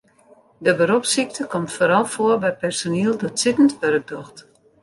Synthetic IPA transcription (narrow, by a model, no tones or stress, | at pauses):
dəbəɾopsik̚təkɔmtfoːɾɔlˠfoərbɛjpɛrsoniəlˠdɔtsɪtən̩tʋørək̚dɔxt